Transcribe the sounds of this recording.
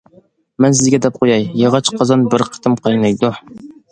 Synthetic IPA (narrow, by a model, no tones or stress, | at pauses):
mɛnsɪzɡʲɛd̪ɛp̚qʰojɑjjɑʁɑt͡ʃqʰɑzɑnbɪɾqʰə̥t̪ɨmqʰɑjnɑjd̪u